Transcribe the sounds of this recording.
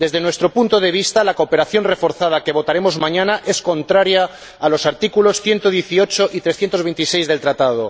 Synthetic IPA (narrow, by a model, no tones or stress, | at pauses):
d̪e̞zðe̞nwe̞st̪ɾo̞punt̪oð̞e̞β̞ist̪alakope̞ɾaθjo̞nre̞fo̞ɾθað̞ake̞β̞o̞t̪aɾe̞mozmãɲãnaʔe̞sko̞nt̪ɾaɾjaː | lo̞saɾt̪ikulo̞sθje̞nt̪oð̞je̞θio̞t͡ʃoʔit̪ɾesθjent̪oβe̞jnt̪ise̞jzðe̞lt̪ɾat̪aðo